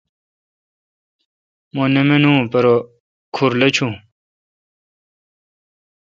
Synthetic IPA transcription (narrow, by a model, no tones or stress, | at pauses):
monemenũːpɐɾo | kʰuɾlɐt͡ɕʰũ